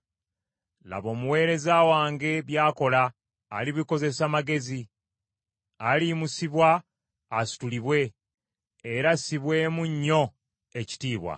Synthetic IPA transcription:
la̰βo̞ːmuwe̞ːɾe̞zawaːŋɡe̞βjaːko̞laː | liβiko̞ze̞samaɡe̞zi | aliːmusiβwaː | su̥tuliβwe̞ː | ɾasiβwe̞ːmuɲːo̞ | e̞ci̥tiːβwa̰

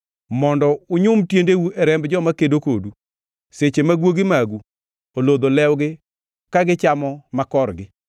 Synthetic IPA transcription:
mɔndɔʊɲʊmtjendewuɛɾɛmbd͡ʒɔmakedokodu | set͡ʃemaɡwoɡɪmaɡu | olod̪olɛwɡɪ | kaɡɪt͡ʃamɔmakɔrɡɪ

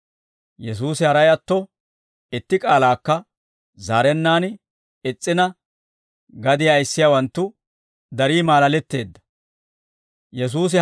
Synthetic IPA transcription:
jɛs̬uːsɪhɐɾɐjɐt̪ːɔ | ɪt̪ːɪkʼaːlaːkːɐ | zaːɾɛnːaːn | ɪt͡sʼːɪnɐ | ɡɐd̪ɪjaːɪsːɪjawɐnt̪ːʊ | d̪ɐɾiːmaːlɐlɛt̪ːe̞ːd̪ːɐ̥ | jɛs̬uːs̬ɪ

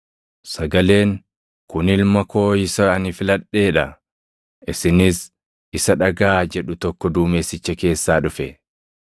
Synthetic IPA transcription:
sɐɡɐle̞ːŋ | kʊnɪlmɐko̞ːɪsɐɐnɪfɪlɐᶑe̞ːᶑɐ | ɪsɪnɪs | ɪsɐᶑɐɡaːd͡ʒɛᶑʊt̪ɔkːɔd̪uːmeːsːɪt͡ʃːɐke̞ːsːaːᶑʊfɛ

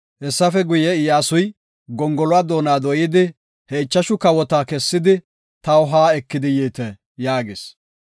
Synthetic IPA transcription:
hɛsːɐfɛɡʊjɛɪjaːsʊj | ɡɔŋɡɔlʊaːd̪oːnaːd̪ɔjɪd̪ɪ | hɛɪt͡ʃːɐʃʊkɐwɔt̪aːkɛsːɪd̪ɪ | t̪ɐwʊɦaːɛkːɪd̪ɪjiːt̪ɛ | jaːɡḛːs

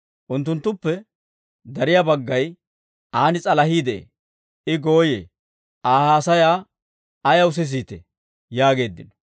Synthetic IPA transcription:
ʔʊnt̪̬ːʊnt̪ːʊpːɛ | d̪ɐɾɪjabɐɡːɐj | ʔaːnɪt͡sʼɐlɐɦiːd̪ɛʔḛ | ʔɪɡo̞ːjḛː | ʔaːhaːsɐjaː | ɐjɐwʊs̬ɛs̬iːt̪ɛ̰ | jaːɡe̞ːd̪ːɪ̰nɔ

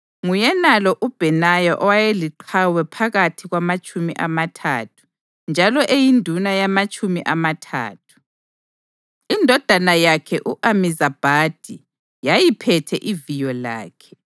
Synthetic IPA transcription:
ŋujɛnalɔʔub̥ʱɛnajɔʔɔwajeliǃʰawɛpʰaɣatʰiɣwamat͡ʃʼumiʔamatʰa̰tʰu̥ | nd͡ʒʱalɔʔejindʱunajamat͡ʃʼumiʔamatʰa̰ːtʰu̥ | indʱɔd̥ʱanajakʰɛʔuʔamizab̥ʱad̥ʱi | jajipʰɛtʰɛʔivijɔla̰ːkʰɛ̥

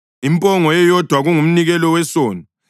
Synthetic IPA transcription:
impʼɔŋɔjɛjɔd̥ʱwaɣuŋum̩niɣɛlɔwɛsoːni

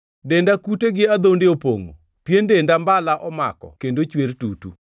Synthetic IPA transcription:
dendakuteɡɪad̪ondeopoŋo̰ | pjendendambalaʔɔma̰kɔ̰kendot͡ʃweɾtutṵ

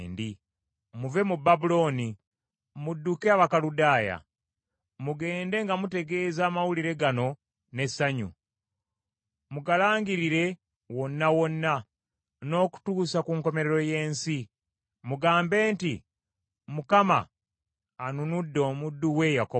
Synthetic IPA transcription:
ndi | muve̞mubːabulo̞ːni | mudːukeaβakaludaːja̰ | muɡe̞ːnde̞ŋɡamute̞ɡe̞ːzaːmawuliɾe̞ɡano̞ | ne̞sːaɲṵ | muɡalaːŋɡiɾiɾe̞ | wo̞nːawo̞nːa | no̞ːku̥tuːsakuŋko̞me̞ɾeɾo̞je̞ːnsi | muɡaːmbe̞ːnti | mukama̰ː | nunudːo̞ːmudːuwe̞jako

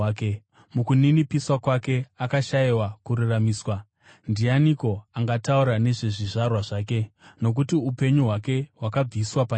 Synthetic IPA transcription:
ke | mukuninipiswakwake̞akaʃaiwakuɾuramiːswa | ndianiko̞aŋɡatauɾane̞ʐe̞ʐiʐarwaʐaːke̞no̞k̬utiupe̞ɲuɦwake̞ɦwakab͡viswapa

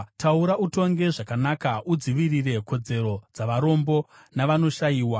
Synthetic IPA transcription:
tauɾaʔuto̞ŋɡe̞ʐakanakaud͡ziʋirire̞ko̞d͡ze̞ɾo̞d͡zaʋaɾo̞mbo̞ | naʋano̞ʃajiːwa

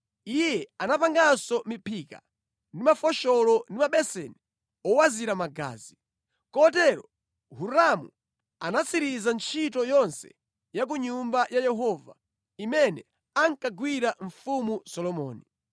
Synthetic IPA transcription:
ijɛanapaŋɡasɔmipʰika̰ | ndimafɔʃɔlɔndimaɓɛsɛni | ɔwaziɾamaɡa̰ːzi | kɔtɛɾɔ | huɾamṵ | anat͡sʰiɾizant͡ʃʰitɔjɔnsɛ̰ | jak̬uɲumbajajɛɦɔva̰ | imɛnɛ | aŋkaɡwiɾaɱfumusɔlɔmɔːni

